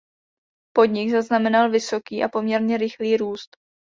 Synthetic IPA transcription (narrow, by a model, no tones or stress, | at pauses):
po̞dɲɪɡzaznamɛnalvɪso̞kiːʔapo̞mɲɛɾɲɛɾɪxliːɾuːst̪